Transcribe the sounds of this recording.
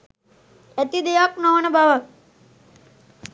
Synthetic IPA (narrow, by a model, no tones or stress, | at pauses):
æt̪id̪ejaknɔʋnəbaʋak